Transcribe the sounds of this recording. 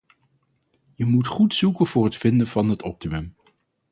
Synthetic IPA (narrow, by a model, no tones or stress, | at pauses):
jəmutχutsukənv̥ʊːɹɦətfɪndənvɑnɦətɔp̚timɵm